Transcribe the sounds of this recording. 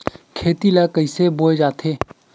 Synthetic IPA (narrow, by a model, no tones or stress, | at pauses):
kʰeːt̪ilakəɪseboːed͡ʒaːt̪ʰeː